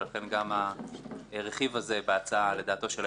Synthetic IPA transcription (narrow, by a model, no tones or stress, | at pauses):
laχe̞nɡama | ʁe̞χivaze̞beat͡saale̞d̪aːt̪o̞ʃel